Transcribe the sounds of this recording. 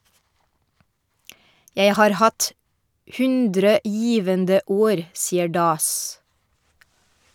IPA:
ˈjeɪ ˈhɑːɾ ˈhɑt ˈhʉndɾə ˈjiːʋəndə ˈoːɾ ˈsiːə ˈɖɑːs

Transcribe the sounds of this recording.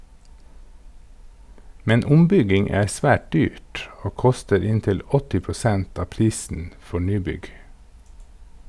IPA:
ˈmɛn ˈʊmˌbʏɡɪŋ ˈæː ˈsʋæːʈ ˈdyːʈ ˈoː ˈkʊstəɾ ˈɪntɪl ˈɔtɪ pɾʊˈsɛnt ˈɑː ˈpɾiːsən ˈfɔɾ ˈnyːˌbʏɡ

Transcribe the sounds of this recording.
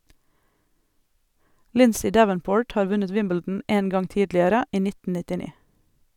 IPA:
ˈlɪnsɪ ˈdæʋənˌpoːʈ ˈhɑːɾ ˈʋʉnət ˈwɪmbɛldn̩ ˈeːn ˈɡɑŋ ˈtiːdlɪəɾə ˈiː ˈnɪtə nɪtɪˈniː

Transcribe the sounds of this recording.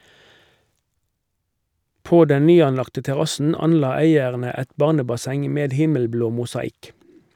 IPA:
ˈpoː ˈdɛn ˈnyːɑnˌlɑktə tɛˈʁɑsn̩ ˈɑnˌlɑː ˈæɪəʁnə ˈɛt ˈbɑʁnəbɑˌsɛŋ ˈmeːd ˈhɪməlˌbloː mʊsɑˈɪk

